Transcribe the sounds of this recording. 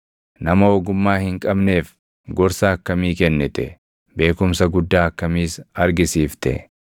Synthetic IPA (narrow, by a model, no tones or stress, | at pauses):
nɐmɐɔɡʊmːaːhɪŋkʼɐbne̞ːf | ɡɔɾsaɐkːɐmiːkɛnːɛt̪ɛ | be̞ːkʊmsɐɡʊd̪ːaːɐkːɐmiːsɐɾɡɪsiːft̪ɛ̰